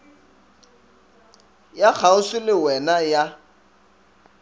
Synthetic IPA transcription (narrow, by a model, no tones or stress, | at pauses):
jak͡xʰaŋ̩sɪlɪwɛnaja